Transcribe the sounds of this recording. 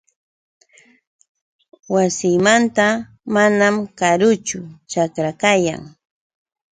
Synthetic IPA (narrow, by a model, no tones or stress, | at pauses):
wasɪːmant̪a | manamkaɾʊt͡ʃʊt͡ʃakɾakaja̰ŋ